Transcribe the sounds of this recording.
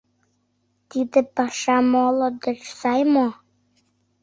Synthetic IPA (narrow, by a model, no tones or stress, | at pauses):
t̪id̪ɘ̆pɑʃɑmolod̪ə̆t͡ʃsɑjmo